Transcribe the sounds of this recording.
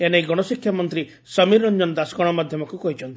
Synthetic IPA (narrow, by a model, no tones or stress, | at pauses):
enejɡɔɽ̃ɔsikʰːjamɔnt̪ɾi | sʌmiɾɔnd͡ʒɔnɔd̪asɡɔɽ̃ɔmad̪ʱjɔmɔkukɔɦit͡ʃʰɔnt̪ii̥